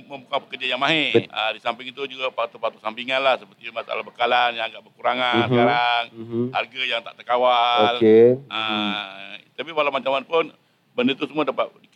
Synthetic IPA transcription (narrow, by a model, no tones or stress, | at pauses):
mə̃mbukaŋpəkərd͡ʒajaŋmaɦeədisampɪŋit̪ud͡ʒuɡapat̪upat̪usampiŋanlahsəpərt̪imasaa̰labəkalanjaŋaɡaʔbərkuɾaŋanskaɾaŋha̰rɡajaŋt̪aʔt̪ərkawaolkeə | t̪apiwalamaɲt͡ʃamanpʊn | bəndət̪usəmuadapat̪̚di